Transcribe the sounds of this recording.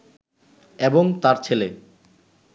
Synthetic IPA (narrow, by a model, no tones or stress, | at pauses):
eboŋt̪aɾt͡ɕʰele